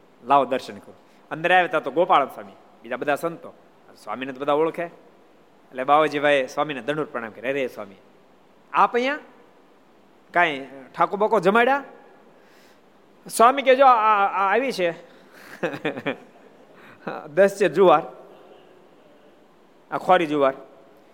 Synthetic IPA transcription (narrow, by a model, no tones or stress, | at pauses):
laːod̪əɾʃənkə | ə̃nd̪əɾaːʋeːt̪at̪oɡoːpaːlənsaːmi | bid͡ʒaːbəd̪ʱaːsənt̪o̰ː | swa̰ːminẽt̪obəd̪ʱaːoɭkʰeː | eleːɓaːʋad͡ʒiːʋʱaːeswaːmiːneːd̪ʱəɳɖuːɾpɾəɳã̰ːmkəɾeɾeswa̰ːmḭː | aːpəjãː | kãːĩʈʰaːkoːbakod͡ʒəmaːjɽaː | swaːmiːk̬ed͡ʒoːʋit͡ʃʰe | d̪əst͡ʃed͡ʒuːʋaːɾ | akʰɔːɾiːd͡ʒuːʋaːɾ